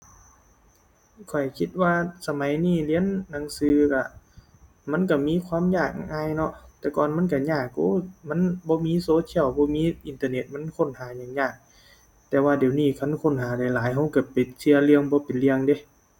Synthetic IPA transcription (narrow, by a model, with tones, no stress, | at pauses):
kʰɔ˨˩jkʰi˧t̪̚waː˧sa˧ma˨˦jniː˧˥˩li˧˥ə˨nːa˨˦ŋsɯː˧ka˧˩ | ma˧˥˨nka˧˩miː˧˥˨kʰwaː˧˥˨mɲaː˧˩k̚ŋaː˧˥˨jnɔ˧ʔt̪ɛː˧˩kɔː˨nma˧˥˨nk̬a˧˩ɲaː˧˩kːuː˧˥˦ma˧˥˨nbɔː˧˦miː˧˥˨soː˧˥t̪ʰi˧˨ə˨wbɔː˧˦miː˧˥˨ʔi˨nt̪aː˧˨ne˧˩t̪̚ma˧˥˨nkʰo˧˥˨nhaː˨˦ɲaː˨˩ŋɲaː˧˩k̚ | t̪ɛː˧waː˧di˨˩ə˦wniː˧˩˨kʰa˧˥˨nkʰo˧˥˨nɦaː˨˦da˧˩jlaː˨˦jɦa˧˩wka˧˩pe˨˩si˧əlɯ˧əŋbɔː˧˦pe˨nli˧əŋde˧˦